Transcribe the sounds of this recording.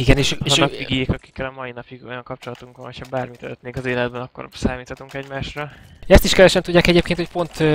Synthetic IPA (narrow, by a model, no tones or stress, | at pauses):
iɡɛneːʃeːɒnːɒkiɡekɒki̥kːɛlɒmɒjinɒpiɡo̞̰jɒŋkɒp̚t͡ʃo̞lɒt̪uŋkʋɒnɦo̥cʰhɒbaːrmit̪ø̰løt̪neŋkɒzeːlɛd̪̚bɛnɒkːo̰rsaːmiːt̪hɒt̪uŋkɛɟmaːʃrɒɛst̪iʃkɛvɛʃɛnt̪udɟːaːkɛɟeːpkeːnt̪ho̞c̚po̞nt̪